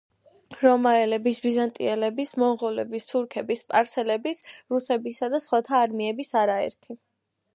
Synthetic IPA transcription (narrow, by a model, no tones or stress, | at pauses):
ɾɔmaɛlɛbisbizant̪ʼiɛlɛbismɔŋʁɔlɛbist̪ʰuɾkʰɛbispʼaɾt̪sʰɛlɛbisɾusɛbisad̪asχwat̪ʰaːɾmiɛbisaɾaɛ̰ɾt̪ʰi